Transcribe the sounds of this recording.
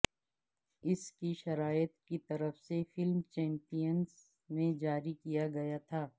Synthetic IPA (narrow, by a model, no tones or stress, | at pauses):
ɪskiʃɐɾaːjɪt̪kit̪ɐɾəfsefɪlmt͡ʃɛ̃ːmpijənz | mẽd͡ʒaːɾikijaɡɐjat̪ʰaː